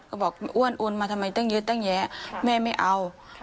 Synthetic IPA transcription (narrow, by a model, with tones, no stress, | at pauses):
ka˧˩bɔː˨˩k̚ʔu˧˥˨ənʔu˧nmaː˧a˧mːa˨˦jt̪a˥˨ŋjɯ˧˦t̪a˧˥˩ŋjɛː˨˥mɛː˧˩˨ma˥˩jʔa˧w